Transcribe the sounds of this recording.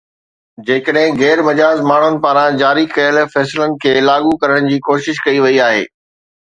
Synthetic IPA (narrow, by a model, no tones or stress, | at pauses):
d͡ʑeːkəɗɦɪ̃ɣɛːɾbɐd͡ʑaːzmaːɳ̤ʊnɪ̆paːɾãd͡ʑaːɾikɐjəlfɛːslənɪ̆kʰeːlaːɡukɐɾəɽ̃̆d͡ʑiːkoːʃɪʃkɐiʋɐiaːɦḛː